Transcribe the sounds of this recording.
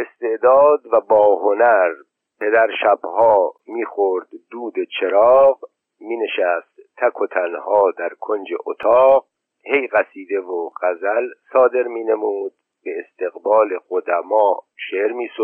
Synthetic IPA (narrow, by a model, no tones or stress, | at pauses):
e̞st̪e̞ʔd̪ɒːd̪væbɒːɦonæɾ | pʰe̞d̪æɾʃæbhɒːmiːxoɾd̪d̪uːd̪et͡ʃʰeɾɒːɣ | miːne̞ʃæst̪t̪ʰːækʰot̪ʰænhɒːd̪æɾkʰo̞nd͡ʒḛʔot̪ʰɒːɣ̚ | he̞jɣæsiːd̪e̞voɢæzælsɒːd̪e̞ɾmiːne̞muːd̪̥̚ | beːst̪e̞ɣbɒːle̞ɣod̪æmɒːʃeːɾmiːso